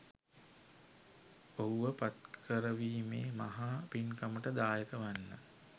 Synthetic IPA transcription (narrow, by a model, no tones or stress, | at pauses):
oɦuʋəpat̪kʰəɾəʋiːmeːmaɦaːpinkaməʈəd̪aːjəkəʋanːə